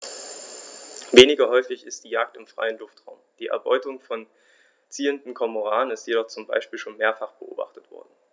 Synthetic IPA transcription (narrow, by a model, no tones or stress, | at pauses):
veːnɪɡɐɦɔʏfɪçɪst̚d̥iːjaːk̚tɪmfʁ̥a̰ɪənlʊftʁ̥aʊmd̥iːʔɛ̰ɐbɔʏtʊŋfɔn | t͡siːəndn̩kʰɔmoʁaːənɪstjedɔχt͡sʊmba̰ɪʃpiːlʃoːnmeːɐfaχb̥əʔo̰ːba̰χtətv̥ɔ̰ɐdn̩